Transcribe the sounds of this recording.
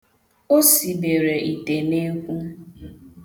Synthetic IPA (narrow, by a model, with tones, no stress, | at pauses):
o˦si˨be˨ɾe˨ʔi˨te˨ne˦kʷu˦